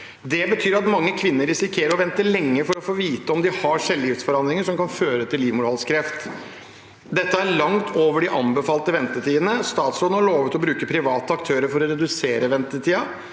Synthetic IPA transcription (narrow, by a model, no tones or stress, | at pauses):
d̪ɛbət̪ʰyːɾɑt̪mɑŋːəkʰʋɪnːəɾɪsɪkʰeːɾəɾɔʋɛnt̪əlɛŋːəfɔɾɔfoːʋiːt̪əɔmd̪ɪhɑʂɛlːjɪft̪sfɔɾɑnd̪ɾɪŋəʂɔmkɑnføːɾət̪ʰɪlːiːʋmʊɾhɔlskʰɾɛft̪ | d̪ɛt̪ːəæɾɭɑŋt̪ʰoːʋəɖɪʔɑmbəfɑːlt̪əʋɛnt̪ət̪ʰiːd̪ənəst̪ɑːt̪slɔəhɑɭoːʋət̪ɔbɾʉːkəpʰɾɪʋɑːt̪əɑkt̪ʰøːɾəɾfɔɾɔɾɛd̪ʉseːɾəʋɛnt̪ət̪ʰiːɑ